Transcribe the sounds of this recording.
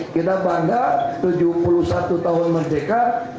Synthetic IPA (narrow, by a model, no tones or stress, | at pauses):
kit̪abaŋɡat̪ud͡ʒupulusat̪ut̪aɦʊnmərdeka